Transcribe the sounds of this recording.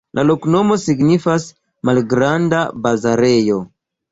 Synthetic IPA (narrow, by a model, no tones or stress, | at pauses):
lʔalo̞kno̞mo̞siɡnifas | malɡɾandabazaɾe̞jo̞